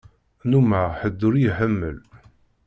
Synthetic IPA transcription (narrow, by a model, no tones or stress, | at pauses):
numaħəd̪ːʊɾijħəmːəl